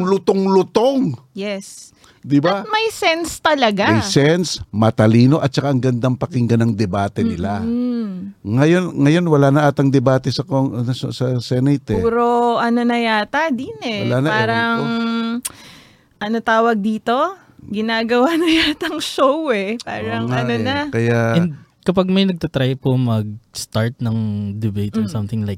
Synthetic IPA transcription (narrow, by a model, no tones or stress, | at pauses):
ŋlʊt̪oŋlʊt̪oŋ | jɛs | d̪ɪbaɐt̪̚mɐjsɛnst̪ɐlɐɡajsɛnsmɐt̪ɐliːno̞ʔɐt̪̚t͡ʃɐkaʔɐŋɡɐnd̪aŋpɐkɪŋɡɐnɐŋd̪ɛbaːt̪ɛnɪla | ŋɐjo̞nŋɐjo̞nwɐlaːnɐʔaːt̪ɐŋd̪ɛbaːt̪ɛsɐkoɐssɐsɛnɛjt̪ɛpːɾoʔɐno̞nɐjaːt̪ɐd̪inɛɐlanɐpaːɾɐŋ | ʔɐnot̪aːwɐɡ̚d̪iːt̪o̞ | ɡɪnaːɡɐwanɐjaːt̪ɐŋʃowɛpa̰ːɾɐŋŋɐonɐkɐjaɛnd̪ | kɐpaɡ̚mɐjnɐɡ̚t̪ɐt̪ɾajpomɐɡ̚st̪aɹt̪̚nɐŋd̪ɛbejt̪ɔnsɐ̃mt̪ɪŋlajk